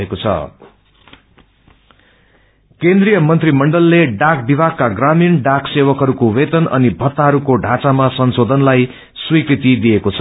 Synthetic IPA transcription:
ekot͡sʰʌ̰ | kend̪rijʌmʌnt̪rimʌɳɖʌlːeɖak̚bibʱaɡ̚kaɡraminɖaksewʌkɦʌɾukowet̪ʌnʔʌ̰nibʱʌt̪ːaɦʌɾukoɖʱat͡samasʌnsod̪ʱʌnlaj | swikrit̪id̪iekot͡sʰ

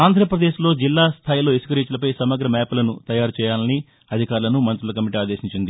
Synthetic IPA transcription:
aːnd̪ʱɾɐpɾɐd̪e̞ːʃlo̞ːd͡ʒilːaːst̪ʰaːjilo̞ːisu̥kɐɾiːt͡ʃulɐpɐjsɐmɐɡɾɐmɛːpulɐnut̪ɐjaːɾut͡ʃɛːjaːlɐni | ɐd̪ʱikaːɾulɐnumɐnt̪ɾulɐkɐmiʈiaːd̪e̞ːʃiɲt͡ʃind̪i

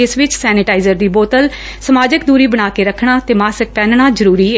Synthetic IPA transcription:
ɪsʋɪt͡ʃsɛːnɪʈaːizəɾd̪iːboːt̪əl | səmaːd͡ʒɪk̚d̪uːɾiːbəɽ̃aːkeːɾəkʰɽ̃aːt̪eːmaːsək̚pɛ̃ːnɳaːzəɾuːɾiːɛː

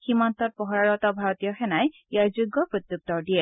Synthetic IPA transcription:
ximant̪ɔt̚pɔɦɔɹaɹɔt̪ɔbʱaɹɔt̪ijɔxɛnaj | jaɹzuɡːɔpɹot̪juk̚t̪ɔɹdijɛ

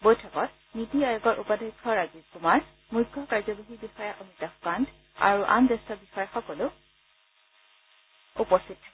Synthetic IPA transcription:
bojtʰɔkɔt̚ | nitiajɔɡɔɹʔupadɔjkʰːɔɹazikumaɹ | mujɡʱːɔkaɹzɔboɦibixɔjaʔɔmitaxkand | a̰ɹuʔa̰mdɛstɔbixɔjaxɔkɔlʊ | upɔstitʰː

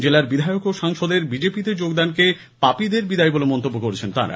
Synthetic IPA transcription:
d͡ʑelaɾbid̪ʱaeokoʃaŋʃod̪eɾbid͡ʑepit̪ed͡ʑoɡd̪anke | papid̪eɾbid̪ajbolemɔnt̪obːokoɾet͡ɕʰent̪a̰ɾa̰

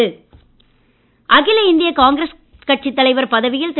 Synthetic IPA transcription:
ɯ | ʔɐɣɪlɐɪnd̪ɪjɐkaːŋɡɪɾɐs | kɐʈ̚t͡ʃɪt̪ːɐlɐɪʋɐɾpɐðɐʋɪjɪlt̪

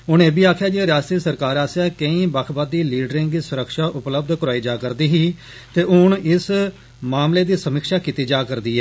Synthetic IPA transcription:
ʊñeːbiːaːkʰjaːd͡ʒeːɾaːʃt̪ɾiːsəɾkaːɾaːsaːkə̃ĩːbakʰbaːd̪iːliːɖɾɪ̃ŋɡd̪iːsʊɾəkʃaːʔʊpləb̚d̪kəɾaːiːd͡ʒaːkəɾd̪iːɦiː | t̪eːʊnɪs | maːmleːd̪iːsəmɪkʃaːkiːt̪iːd͡ʒaːkəɾd̪iːɛː

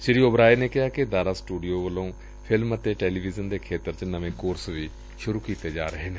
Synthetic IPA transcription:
ʃɪɾiːobɾaːeneːkɪɦaːkɪd̪aːɾaːsʈuːɖijoːʋəlõː | pʰɪlmət̪eːʈeːliːʋizənd̪eːkʰeːt̪əɾt͡ʃnəʋẽːkoːɾsʋiː | ʃʊɾuːkiːt̪eːd͡ʒa̰ːɾəɦeːne

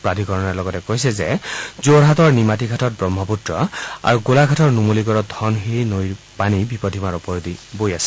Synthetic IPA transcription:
pɹadʱikɔɹɔnɛɹlɔɡɔtɛkojsɛzɛzoɹɦatɔɹnimatikʰatʰɔt̚bɹɔmːɔputɹɔa̰ɹuɡolakʰatʰɔɹnumoliɡɔɹɔdʱɔnxejnoj | panibipɔdʱimaɹɔpɔɹodibojasɛ

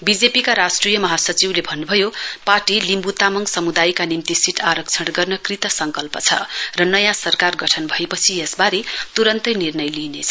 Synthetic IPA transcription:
bid͡zepikaɾasʈrijʌmʌɦasʌt͡siwlebʱʌnːubʱʌjoparʈilimbut̪amʌŋɡsʌmud̪ajkanimt̪isiʈʰaɾʌk̚t͡sʰʌɽɡʌrnʌkrit̪ʌsʌŋkʌlpʌt͡sʰʌ̰rʌnʌjãsʌrkarɡʌʈʰʌnbʱʌepʌt͡sʰiesbaɾet̪uɾʌnt̪ʌnirnʌjlinet͡sʰʌ

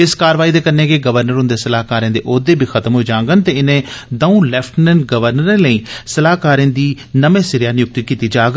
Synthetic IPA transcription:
ɪskaːɾəʋaːiːd̪eːkənːeːkeːɡəʋəɾnəɾɦʊ̃nd̪eːsəlaːɦkaːɾẽːd̪ḛːʔoːd̪eːbʱiːkʰət̪əmɦoːiːd͡ʒãːŋɡənt̪eːɪnẽːd̪əũːlɛːpʰʈmɛ̃ɳʈ̚ɡəʋəɾnəɾẽːləiːsəlaːkaːɾẽːd̪iː | nəmẽːsɪɾjaːnɪjʊk̚t̪ikiːt̪iːd͡ʒaːɡ

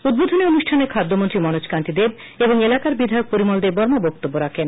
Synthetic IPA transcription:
ud̪̚bod̪ʱoneonuʃʈʰanekʰad̪ʱːomont̪ɾimɔnot͡ɕkant̪id̪eb | eboŋelakaɾbid̪ʱajok̚poɾimɔld̪eɾbɔɾmobɔk̚t̪obːoɾakʰen

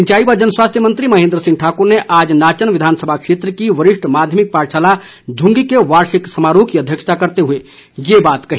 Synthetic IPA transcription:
ɲt͡ʃaːibad͡ʒənswast̪ʰjəmənt̪ɾimɐɦẽːnd̪ɾəsĩŋʈʰakuɾneʔad͡ʒnaːt͡ʃənʋid̪ʱaːnsəbʱakʂet̪ɾəkiʋəɾɪʂʈʰmad̪ʱjəmik̚paɾt͡ʃʰala | d͡ʒʱũŋɡikeʋaɾsiksəmaɾukiəd̪ʱjəkʃə̥t̪ʰakəɾt̪eɦue | jebaːt̪kəɦ

